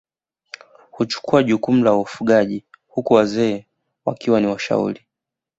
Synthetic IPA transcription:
hut͡ʃu̥kuaʄukum̩laufuɠaʄihukuwazɛː | wa̰kiwaniwaʃa̰ṵɾi

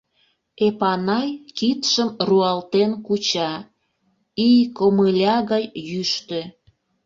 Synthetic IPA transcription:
epɑnɑjkit̪ʃəmruɑlt̪enkut͡ɕɑ | ijkoməlʲɑɣɑjːyʃt̪ø

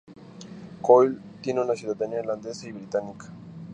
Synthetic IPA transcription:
kojlt̪jeneunasjuðad̪enaeɾland̪esaiβɾit̪anikḁ

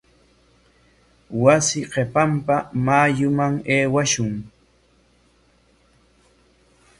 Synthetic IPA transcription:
wasɪɢepampamaːjʊmaŋeːwaʃʊŋ

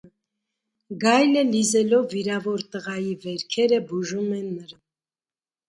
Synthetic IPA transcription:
ɡɑjləlizɛlɔvːiɾɑvɔɾt̪əʁɑjivɛɾkʰɛɾəbuʒumɛnːəɾɑ

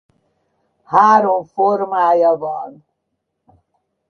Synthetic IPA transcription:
haːɾũfoɾmaːjavaːn

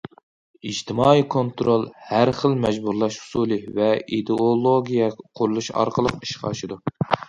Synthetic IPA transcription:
id͡ʒt̪ʰɪmɑːikʰont̪ɾolˠhæɾχəlmɛd͡ʒbuɾlˠɑʃhu̥suːlˠɨvɛid̪eolˠoɡʲijɛqʰʊɾulˠuʃɑ̰ɾqʰəlˠəqi̥ʃqʰɑ̰ʃɨd̪u

